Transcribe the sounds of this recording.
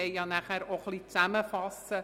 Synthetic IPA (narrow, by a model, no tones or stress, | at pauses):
ɛɪjɑnæχæːɾoχliːt͡sæməfɑsə